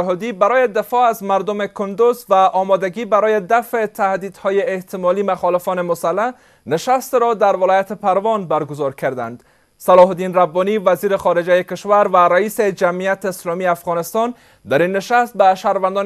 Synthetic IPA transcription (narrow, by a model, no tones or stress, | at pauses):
ɦɔd̪ibaɾɔjed̪ɪfɔazmaɾd̪omekʰʊnd̪ʊzvaʔɔmɔd̪aɡibaɾɔjed̪afet̪ʰahd̪id̪hɔjeːht̪ɪmɔlimaxɔlɪfɔnemʊsalːa | nɪʃast̪ɾɔd̪aɾvɪlɔjat̪epaɾvɔnbaɾɡʊzɔɾkʰaɾd̪a̰nd̪ | salɔɦd̪inɾabːɔnivaziɾexɔɾed͡ʒajekeʃvaɾvaɾaised͡ʒamijat̪ːslɔmieafɣɒnɪst̪ɔn | d̪aɾinːɪʃast̪̚baʃaɾvand̪ɔn